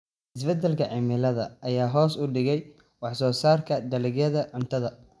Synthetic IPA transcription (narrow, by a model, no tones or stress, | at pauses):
ʔɪsbɛd̪ɛlkʰɐʕɪmɪlɐðɐɐjaːɦɔːsʊɖɪɣɛj | wɑħsɔːsaːrkʰɐd̪ɐlɪɡjɐðɐʕʊnt̪ʰɐðɐ